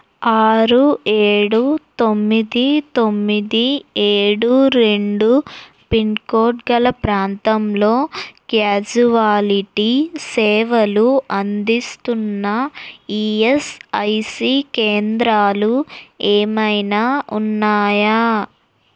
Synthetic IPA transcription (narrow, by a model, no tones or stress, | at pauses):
aːɾueːɽut̪o̞mːid̪it̪o̞mːid̪ieːɽuɾe̞ɳɖu | pinkoːʈɡɐlɐpɾaːnt̪ɐmlo̞ːkjaːd͡ʒuʋaːliʈisɛːʋɐluɐnd̪ist̪unːɐiːesɐjsiːkeːnd̪ɾaːlueːmɐjnaːʔunːaːja